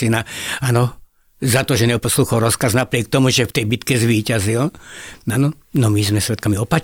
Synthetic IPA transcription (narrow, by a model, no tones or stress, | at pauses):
inaanɔ | zat̪ɔʒɛɲɛpɔsluxɔlɾɔskaznapɾɪɛk̚t̪ɔmuʒɛft̪ɛjbit̪kɛzʋiːcazilanɔ | nɔmizmɛsʋɛt̪̚kamiɔpa